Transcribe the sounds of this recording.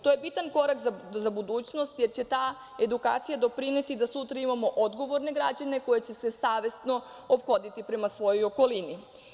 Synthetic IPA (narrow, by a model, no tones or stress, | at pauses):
t̪o̞je̞bit̪anko̞ɾakzazabud̪uːt͡ɕno̞st̪je̞ɾt͡ɕe̞t̪aː | e̞d̪uka̰ːt̪sijad̪o̞pɾine̞t̪id̪asut̪ɾaimamo̞ʔod̪ɡo̞ʋo̞ɾne̞ɡɾad͡ʑane̞ko̞je̞t͡ɕe̞se̞saːʋe̞st̪no̞ | opxo̞d̪it̪ipɾe̞masʋo̞jo̞jo̞ko̞lini